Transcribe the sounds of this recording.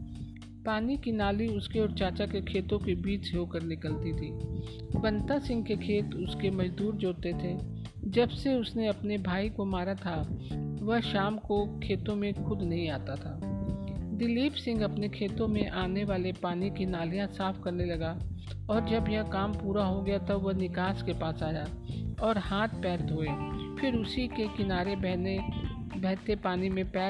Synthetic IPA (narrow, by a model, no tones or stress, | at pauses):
paːnikinaːliʊskeɔːɾt͡ʃaːt͡ʃakekʰeːt̪õkebiːt͡ʃɦoːkɐɾnɪkəlt̪it̪ʰiː | bɐ̃nt̪asɪ̃ŋɡ̚kekʰeːt̪ʊskemɐd͡ʒd̪uːɾd͡ʒoːt̪et̪ʰe | d͡ʒɐbseʊsneɐpnebʱaːikomaːɾat̪ʰaʋɐɦʃaːmkokʰeːt̪õmẽxʊd̪nɐɦĩaːt̪at̪ʰaː | d̪ɪliːpsɪ̃ŋɡɐpnekʰeːt̪õmẽʔaːneʋaːlepaːnikinaːlijãsaːfʰkɐɾnelɐɡa | ɔːɾd͡ʒɐbjɐɦkaːmpuːɾaɦoɡɐjat̪ɐbʋɐɦnɪkaːskepaːsaːja | ɔːɾhaːt̪̚ʰpɛːɾd̪ʱoːeːpʰɪɾʊsikekɪnaːɾebɛɦne | bɛɦt̪epaːnimẽpɛː